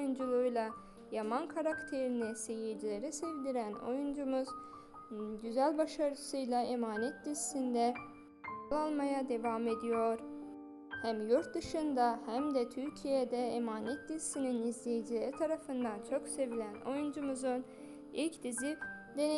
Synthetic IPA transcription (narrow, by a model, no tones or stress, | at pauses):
jund͡ʒulˠujlˠa | jamankʰaɾakt̪ʰe̞ɾinise̞jijd͡ʒilʲe̞ɾisɛvd̪iɾæno̞̰jund͡ʒumuz̥ | ɟyzælʲbaʃaɾɯsɯjlˠaemaːnɛt̪̚d̪izisind̪ɛ | lˠalˠmajad̪e̞vame̞d̪ijo̞ɾ̥ | hæmjuɾt̪̚d̪ɯʃɯnd̪ahæmd̪ɛt̪ʰyɾcʰijed̪ɛːmaːnɛt̪̚d̪izisininizlʲejid͡ʒilʲeɾit̪ʰaɾafɯnd̪ant͡ʃʰo̞ksevilʲæno̞̰jund͡ʒumuzun | ilʲcd̪izi | d̪e̞n